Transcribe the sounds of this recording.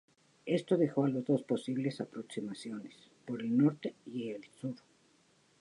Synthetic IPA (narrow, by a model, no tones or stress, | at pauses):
e̞st̪o̞ðe̞xo̞alo̞zðo̞spo̞siβle̞sapɾo̞ksimasjo̞nes | po̞ɾe̞lno̞ɾt̪e̞ielsuɾ